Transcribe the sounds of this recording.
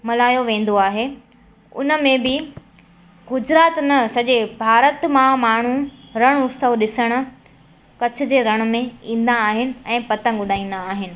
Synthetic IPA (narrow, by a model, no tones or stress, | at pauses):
mɐlaːjoʋẽːn̆d̪oaːɦe | ʊ̰nə̆mẽbɪ | ɡʊd͡ʑɾaːt̪nɐsɐʄebʱaːɾət̪mãmaːɳ̤ũɾɐɽ̃ʊst̪əʋɗɪsəɽ̃ʊ̆ | kɐt͡ɕʰʊ̆d͡ʑeːɾɐɽ̃ʊ̆mẽĩːn̆d̪aːɦɪnɪ̆ɛ̃ːpɐt̪ə̃ŋɡʊɗʱaːĩːn̆d̪aːɦɪnɪ̆